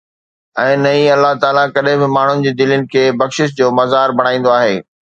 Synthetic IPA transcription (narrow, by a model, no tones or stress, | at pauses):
ɛ̃ːnɐ̃ĩɐlːaɦt̪aːlakɐɗɦɪ̃bɪmaːɳ̤ʊnɪ̆d͡ʑeːd̪ɪlʊnɪ̆kʰeːbɐxʃɪʃd͡ʑoːmɐzaːɾbʱɐɽ̃aːĩːn̆d̪oaːɦeː